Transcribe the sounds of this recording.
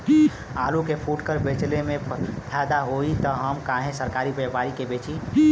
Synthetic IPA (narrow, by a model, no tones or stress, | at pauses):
alukepʰuʈkəɾbet͡ʃlemepʰad̪aɦoit̪əɦəmkaɦẽsəɾkaɾibepaɾikebet͡ʃʰi